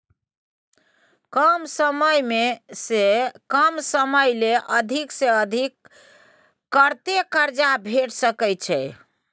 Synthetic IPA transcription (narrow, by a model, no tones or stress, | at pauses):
kəmsəməjmesekəmsəməjleʔəd̪ʱikseəd̪ʱikː | əɾt̪ekəɾd͡ʒabʱeʈsəkɛjt͡ʃʰɛ